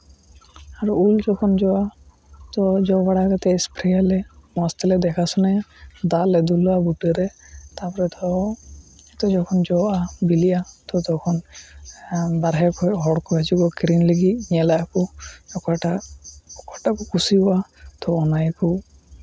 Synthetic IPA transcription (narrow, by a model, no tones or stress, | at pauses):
aɾuld͡ʒɔkʰɔnd͡ʒɔa | t̪ɔd͡ʒɔbaɽakat̪ɛspɾɛjalemɔst̪ɛlɛd̪ɛkʰasɔnad̪aled̪ulɔabuʈeɾɛt̪apɔɾɛt̪ɔ | t̪ɔd͡ʒɔkʰɔnd͡ʒɔwabiliat̪ɔt̪ɔkʰɔn | baɾɦɛkɔɦɔɽkɔat͡ʃiɡɔkɾinliɡiɲɛlaakɔɔkɔʈaɔkɔʈakɔkusibɔat̪ɔːnajku